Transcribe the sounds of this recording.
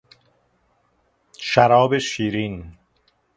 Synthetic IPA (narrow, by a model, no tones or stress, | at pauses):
ʃæɾɒːbeʃiːɾiːn